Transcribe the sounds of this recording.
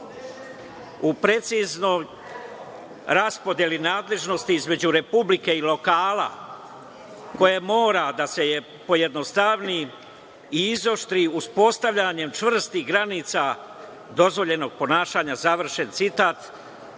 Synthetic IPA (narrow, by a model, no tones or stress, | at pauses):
upɾe̞t̪sizno̞j | ɾaspo̞d̪jelinaːd̪le̞ʒno̞st̪iizme̞d͡ʑuɾe̞publike̞ilo̞kaːla̰ | ko̞jemo̞ːɾad̪ase̞je | po̞jed̪nost̪aʋni | iizo̞ʃt̪ɾiuspo̞st̪aʋʎaɲe̞mt͡ʃʋr̩st̪iɡɾaniːt̪sa | d̪o̞zʋo̞ʎe̞no̞ɡ̚po̞naːʃaːɲazaʋr̩ʃe̞nt̪sit̪aːt̪